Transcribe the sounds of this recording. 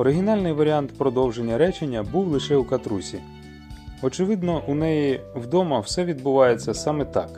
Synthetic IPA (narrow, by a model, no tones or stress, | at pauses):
ɔɾɪɦʲinɑlʲnɪjʋɐɾʲiɑnt̪pɾɔd̪ɔwʒe̞nʲːɐɾɛt͡ʃenʲːɐbuwlˠɪʃɛukɐt̪ɾusʲi | ɔt͡ʃɪʋɪd̪nɔʔunɛjiwd̪ɔmɐwsɛʋʲid̪̚bʊʋɑjet͡sʲːɐsɑmɛt̪ɑ̰k